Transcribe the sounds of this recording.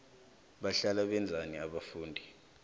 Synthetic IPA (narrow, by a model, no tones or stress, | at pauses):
ɓaɬalaɓɛnd͡zʱaniaɓafuːndʱi